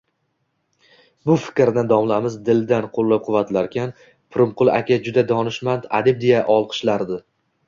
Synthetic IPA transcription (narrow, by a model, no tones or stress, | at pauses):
bʊfɪ̥kʲɾd̪and̪ɒmlamɪzd̪ɪld̪anqʰolˠːap̚qʰʊvat̪ʰlaɾkʲʰan | pʰʊɾʊmqʊlˠa̰kʲad͡ʒʊd̪ad̪ɒnɪʃmand̪a̰d̪ɪb̚d̪ejaʔɒlˠqʰɨ̥ʃlaɾd̪ɪ